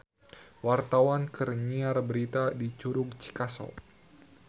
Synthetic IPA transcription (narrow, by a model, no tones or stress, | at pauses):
wart̪awankərɲiarbəɾit̪adit͡ʃuɾʊɡt͡ʃi̥kasɔ̰l